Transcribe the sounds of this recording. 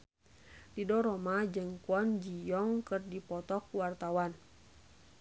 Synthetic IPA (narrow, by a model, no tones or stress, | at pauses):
didɔɾɔmad͡ʒəŋkuɔnd͡ʒijɔŋkɨrdipɔt̪ɔk̚wart̪awan